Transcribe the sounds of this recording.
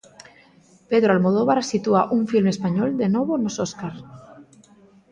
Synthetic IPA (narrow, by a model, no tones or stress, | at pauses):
peðɾoalmoð̞oβaɾsit̪uaʔuɱfilmespaɲold̪enoβonososkaɾ